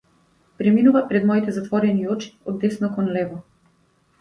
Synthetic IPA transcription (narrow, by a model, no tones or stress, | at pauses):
pɾɛminuvapɾɛd̪mɔit̪ɛzat̪vɔɾɛniɔt͡ʃi̥ɔd̪ːɛsnɔkɔnlɛvɔ